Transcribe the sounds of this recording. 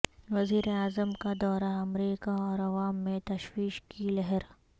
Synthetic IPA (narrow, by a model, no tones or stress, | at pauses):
ʋɐziːɾeaːzəmkad̪ɔːɾaɐmɾiːkaɔːɾɐʋaːmːẽt̪ɐʃwiːʃkilɐɦɛɾ